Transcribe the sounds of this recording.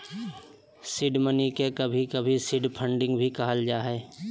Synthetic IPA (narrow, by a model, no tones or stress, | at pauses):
sɪɖmənikekɐbʱikɐbʱisɪɖpʰə̃ɳɖɪ̃ŋɡbʱikɐɦəld͡ʒaːɦɛː